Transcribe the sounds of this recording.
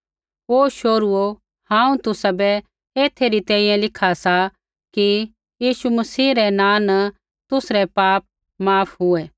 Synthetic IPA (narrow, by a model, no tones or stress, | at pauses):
oːʃoːɾʊo | hãːũt̪ʊsabɛ | eːt̪ʰeɾit̪ɛ̃ːĩjɛ̃lɪkʰasa | ki | jiːʃumɐsiːɾɛnãːnɐ | t̪ʊsɾɛpaːp̚ | maːpʰɦʊɛː